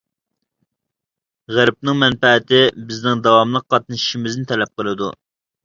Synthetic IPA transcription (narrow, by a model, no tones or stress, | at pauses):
ʁæɾp̚nɨŋmɛnpɛːt̪ʰɪbɪznɪŋd̪ɑwɑmlˠəq̚ːɑt̪̚nɨʃi̥ʃimɪznɪt̪ʰɛlɛp̚qəlˠɨd̪ṵ